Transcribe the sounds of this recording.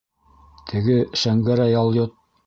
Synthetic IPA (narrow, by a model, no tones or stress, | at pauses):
t̪ʰɘ̆ɡɘʃæŋɡæɾæjɑlˠjot̪̚